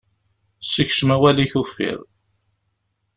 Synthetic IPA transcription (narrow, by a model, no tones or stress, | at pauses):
sːəçʃəmæwæliçufːḭðˤ